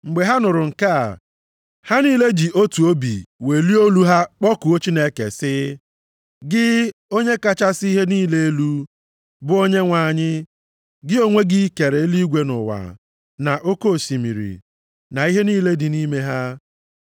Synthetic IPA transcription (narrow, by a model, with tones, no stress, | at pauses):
ŋ͡m̩˨ɡ͡be˨ɦa˦nʊ˨ɾʊ˨ŋ̩˨ka̰˦˨ | ha˦niː˦le˦d͡ʒi˨ʔo˦tu˨o˦bḭ˨we˨li˦o˦lu˦ɦa˦k͡pɔ˦kʊ˨o˦t͡ʃi˦ne˦kḛ˨sɪ˦ | ɡɪ˦o˦ɲe˦ka˦t͡ʃa˦si˦ɦe˦niː˦le˦e˦lu˦ | bʊ˦o˦ɲe˦ŋʷa˨ɲɪ˦ | ɡɪ˦o˦ŋʷe˦ɡɪ˦ke˨ɾe˨e˦li˦ɡʷe˦nʊ̰˨wa̰˨ | na˨ʔo˦ko˦˨si˨mḭ˨ɾḭ˨ | na˨i˦ɦe˦niː˦le˦dɪ˨niː˦me˦ɦa˦